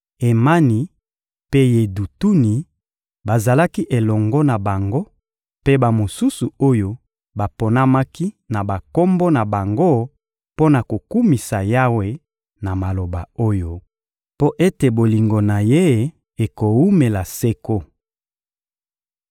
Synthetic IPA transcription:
e˨ma˦ni˨ | pe˦je˨du˨tu˦ni˨ | ba˨za˨la˦ki˦ʔe˨lɔ˨ŋɡɔ˦na˨ba˨ŋɡo˦ | pe˦ba˨mo˨su˦su˨o˦jo˦ | ba˨po˨na˦ma˦ki˦ | na˨ba˨ko˦mbo˦na˨ba˨ŋɡo˦ | po˦na˨ko˨ku˦mi˨sa˨ja˦we˦ | na˨ma˨lo˨ba̰˨o˦jo˦ | po˦ʔe˦te˨bo˨li˨ŋɡo˨na˨je˦ | e˨ko˨wu˦me˨la˨se˦ko˦

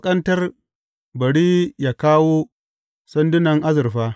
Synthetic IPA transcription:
kʼɐ˦ntɐ˦r | bɐ˨ɽiː˦jaː˨kaː˦woː˦ | sɐ˦ndɪ˦nɐ˨ŋʔa˦zɪ˨rɸaː˦

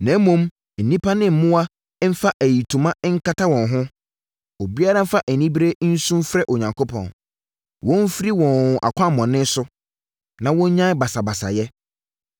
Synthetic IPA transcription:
nɛ̃˨˦mõ˦m | n̩˨nĩ˦pʰa˦nɪ̃˦m̩˨mʊ̃˦a˦ | m̩˦fa˦ʔæ˨ji˨tʰu˨mã˦ŋ̩˦kʰa˦tʰa˦wɔ̃˨nɦʊ̃˦ | o˨bi˦a˦ɾa˦m̩˦fa˦ʔæ˨nĩ˦bi˦ɾe˦n̩˦sũ˦mfɾɛ˦ʔo˨ɲã˨ŋkʰo˦pʰɔ̰̃˨n | wɔ̃˦n˦fɾi˦wɔ̃˨n˨ʔa̰˨kʰʷã˦˨mɔ̃˨nɪ̃˦n˦sʊ˦ | nã˨wɔ̃˦ɲ˦ɲã˦ba˨sa˨ba˨sa̰˨jɛ˦

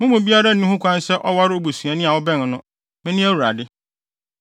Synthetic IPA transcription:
mʊ̃˦mʊ̃˨bi˦a˦ɾa˦n̩˨˦ũ˦hʊ̃˦kʰʷã˦n˦sɛ˦ʔɔ˦wa˦ɾɪ˦o˦bu˨sɥa˨nɪ̃˦˨a˨wʊ˦bɛ̃˦˨n˨nʊ̃˦ | mɪ̃˦nɪ̃˦æ˦wu˨ɾa˨dɪ˦

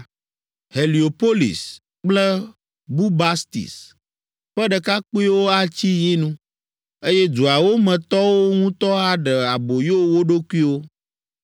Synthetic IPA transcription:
he˨li˨o˨po˦lḭ˨s | k͡plɛ˦ | bu˦ba˦st̪ḭ˨s | ɸɛ˦ɖə˨ka˦k͡pu˦i˦wo˦a˦t͡ɕi˦ji˦nũ˦ | e˦jɛ˦du˨a˨wo˦mɛ̃˨t̪ɔ˦wo˦ŋũ˦t̪ɔ˦a˦ɖə˨a˨bo˨jo˦wo˦ɖo˦ku˦i˦wo˦

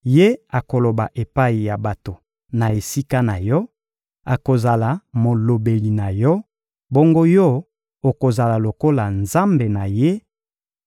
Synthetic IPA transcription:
je˦a˨ko˨lo˨ba˨ʔe˨pa˦i˨ja˨ba˨to˨ | na˨e˨si˦ka˦na˨jɔ˦ | a˨ko˨za˨la˨mo˨lo˨be˨li˨na˨jɔ˦ | bo˦ŋɡo˦jɔ˦ | o˨ko˨za˨la˨lo˨ko˦la˨nza˦mbe˨na˨je˦

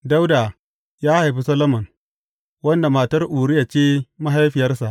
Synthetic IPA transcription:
da˦wda˨ | jaː˦ha˨jɸi˦sɐ˦lo˦mɐ˨ŋ | wɐ˦nda˨maː˨tɐ˦rʔuː˨ɽɪ˦ja˨t͡ʃeː˦ma˦ɦa˦jɸɪ˨jɐ˦rsa˨ʔ

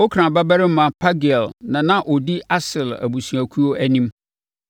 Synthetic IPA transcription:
ɔ˦kʰɾã˨ba˦bæ˦ɾɪ˦m˦mã˨pʰa˦ɡɛ˨lnã˨nã˦ʔɔ˨di˦ʔa˦sɪ˨læ̰˨bu˨si˨æ˨kʰu˦o˦ʔæ˦nĩ˦m

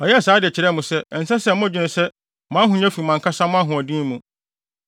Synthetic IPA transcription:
ɔ˨jɛ˦˨saː˨˦dɪ˨ɛ˨t͡ɕʰɪ˨ɾɛ˦mʊ̃˨sɛ˦ɛ˨n̩˨sɛ˦sɛ˦˨mʊ̃˦˨d͡ʑᶣɪ˨nɪ̃˨sɛ˦ | mã˦ɦʊ̃˨ɲ˦ã˦fi˨mã˨ŋkʰa˦sã˦mʊ̃˦a˦ɦʊ̃˨ɔ˨dĩ˦mũ˨

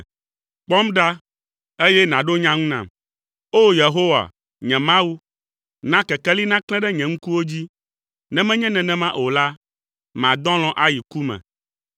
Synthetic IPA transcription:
k͡pɔ˦mɖa˦ | e˦jɛ˦nã˨ɖo˦ɲã˦ŋũ˦nã̰˨m | o˦je˨ɦo˦wa̰˨ | ɲɛ̃˨mã˦wu˦ | nã˦kɛ˨kɛ˦li˦nã˦klɛ̃˦ɖɛ˦ɲɛ̃˨ŋ̩̃˦ku˦wo˦d͡ʑi˦ | nɛ̃˦mɛ̃˦ɲɛ̃˦nɛ̃˨nɛ̃˨mã˦ʔo˨la˦ | mã̰˨d̪ɔ̃˦l̃ɔ̃˨ʔa˦ji˨ku˦mɛ̰̃˨

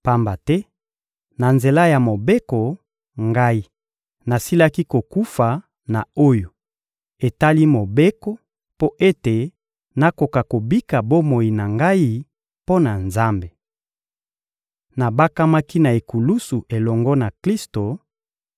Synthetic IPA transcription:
pa˦mba˨tɛ˦ | na˨nze˨la˦ja˨mo˨be˦ko˨ | ŋɡa˦i˦ | na˨si˦la˦ki˦ko˨ku˦fa˨ | na˨o˦jo˨ | e˨ta˦li˦mo˨be˦ko˦ | po˦ʔe˦te˨ | na˦ko˨ka˨ko˨bi˦ka˨bo˦mo˨i˨na˨ŋɡa˦i˦ | po˦na˨nza˦mbe˨ | na˨ba˦ka˦ma˦ki˦na˨e˨ku˨lu˦su˨ʔe˨lɔ˨ŋɡɔ˦na˨kli˦sto˨

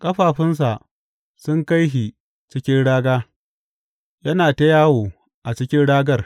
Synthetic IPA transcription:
kʼɐ˦ɸaː˨ɸɪ˦ns̬a˨ʔ | sʊ˦ŋka˦jɦi˨ | t͡ʃɪ˦kʲɪ˦nɽaː˦ɡaː˦ | jɐ˦naː˨ta˦jaː˦woː˨ | ʔa˨t͡ʃɪ˦kʲɪ˦nɽaː˦ɡɐ˦r

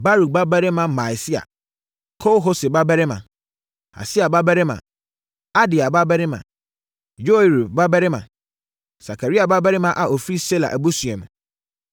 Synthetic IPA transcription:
ba˦ɾu˨ba˦bɛ˦ɾɪ˦mã˨ma˨jsɪ˦a̰˨ | kʰo˦wɦo˦sɪ˨ba˦bɛ˦ɾɪ˦mã̰˨ | a̰˨sɪ˦a˨ba˦bɛ˦ɾɪ˦mã̰˨ | a˦di˨a˨ba˦bɛ˦ɾɪ˦mã̰˨ | jo˦i˨ɾi˨ba˦bɛ˦ɾɪ˦mã˨ | sa˨kʰa˨ɾi˦a˨ba˦bɛ˦ɾɪ˦mã˦ʔa˨ʔo˨fɾi˦se˦la̰˨ʔæ˨bo˦su˨ɛ̃˨m˨

